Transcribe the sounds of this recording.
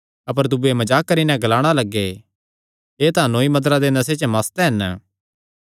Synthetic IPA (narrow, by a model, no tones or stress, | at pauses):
ɐp̬əɾd̪ʊbuemɐd͡ʒaːkːɐɾinɛ̃ɡɐlaːɽ̃alɐɡːe | eːt̪aãnõːimɐd̪ɾad̪enɐset͡ʃmaːst̪ɛɦɐn